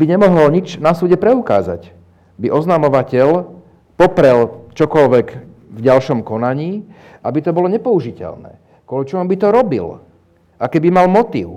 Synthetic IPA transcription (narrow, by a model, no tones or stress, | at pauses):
biɲɛmɔɦɔlɲit͡ʃnasuːɟɛpɾɛuka̰ːza̰c | biʔɔznamɔʋacɛʎ | pɔpɾɛlt͡ʃɔkɔlʋɛk | vɟalʃɔmkɔnaɲiː | ʔabit̪ɔbɔlɔɲɛpɔuʒicɛ̰ʎnɛ̰ː | kɔlit͡ʃɔɦɔmbit̪ɔɾɔbḭl | ʔakɛbimalmɔt̪ḭːʊ